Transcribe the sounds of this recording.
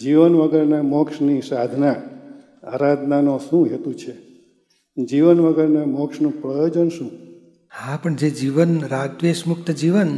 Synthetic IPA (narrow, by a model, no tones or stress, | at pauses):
d͡ʒiʋənʋəɡəɾnamɔkʃnisad̪ʱna | aɾad̪nanoʃũɦet̪ũt͡ʃʰe | d͡ʒiʋənʋəɡəɾnamɔkʃnũpɾəjod͡ʒənʃũ | hãpəɳd͡ʒed͡ʒiʋənɾad̪ʋeʃmʊk̚t̪əd͡ʒiʋən